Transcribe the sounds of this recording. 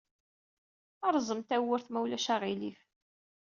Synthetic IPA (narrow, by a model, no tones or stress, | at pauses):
ɑɾˤzˤəmt̪æwəɾθmæwlæʃæʁilif